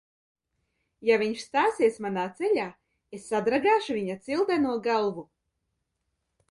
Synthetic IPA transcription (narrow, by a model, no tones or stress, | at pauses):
javʲiɲʃst̪aːsiɛsmanaːt̪seʎʲaː | esːad̪ɾaɡaːʃuviɲat̪silˠd̪ɛnuɔɡalˠvu